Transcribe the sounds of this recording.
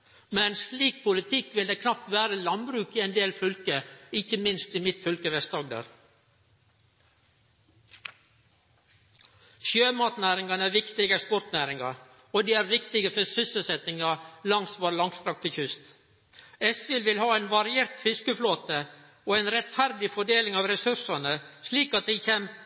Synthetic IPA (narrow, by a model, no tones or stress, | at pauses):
mɛnsliːk̚pʰʊlɪt̪ʰɪkːʋɪld̪eːkʰnɑp̚t̪ʋæːɾəlɑnbɾʉːkiːɛnd̪eːlfʏlkəɪçəmɪnst̪iːmɪt̪fʏlkəʋɛst̪ɑɡ̚d̪ə̰ɾ | ʃøːmɑːt̪næːɾɪŋɑnəæːʋɪkt̪ɪɡəspʊɾt̪næːɾɪŋɑ̰ɾ | oːd̪iːæːɾʋɪkt̪ɪɡəfœsʏsəlsɛt̪ɪŋɑlɑŋsʋoːɾlɑŋst̪ɾɑk̚t̪əçʏst̪ | ɛsʋɪlʋɪlhɑːɛnʋɑɾɪeːɾt̪fɪskəfloːt̪ə | oːɛnɾɛt̪fæɾd̪ɪfɔɖeːlɪŋɑːʋɾɛsʉʂɑnəsliːkɑt̪̚d̪æɪçem